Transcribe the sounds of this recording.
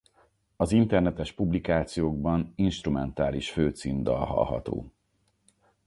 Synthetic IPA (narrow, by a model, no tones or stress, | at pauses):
ɒzint̪ɛrnɛt̪ɛʃpublikaːt̪sijoːɡ̚bɒninʃt̪rumɛnt̪aːliʃføːt̪siːnd̪ɒ̰lɦɒ̰lɦɒ̰t̪o̰ː